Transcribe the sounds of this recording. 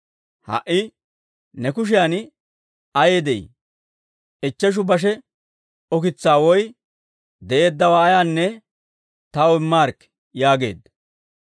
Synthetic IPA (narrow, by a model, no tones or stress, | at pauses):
hɐ̰ʔːɪ | nɛkʊʃ̬ɪjaːn | ɐjeːd̪ɛḭ | ʔɛt͡ʃːɛʃ̬ʊbɐʃ̬ɛ | ɔkɪt͡sːaːwɔj | d̪ɛʔe̞ːd̪ːɐwaːjaːnːɛ | t̪ɐwɪmːaːɾkː | jaːɡe̞̰ːd̪ːɐ